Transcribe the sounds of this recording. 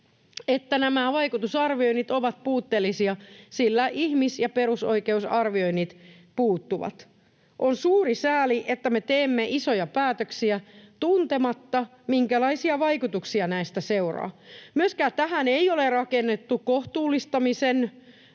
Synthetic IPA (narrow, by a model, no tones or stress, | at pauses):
et̪ːænæmæʋɑikut̪usɑrʋio̞inːit̪oʋɑt̪̚puːt̪ːeːlːisiɑsilːæʔihmisjɑpeɾuso̞ikeusɑrʋio̞inːit̪ | puːt̪ːuʋɑ̰t̪ | ʔonsuːrisæːliʔet̪ːæmet̪eːmːeʔisojɑpæːt̪øksiæt̪unt̪emɑt̪ːɑ | miŋkælɑisiɑʋɑikut̪uksiɑnæist̪æseurɑ̰ːmyøskæːt̪æɦæneiolerɑkenːet̪ːukoht̪uːlːist̪ɑmisen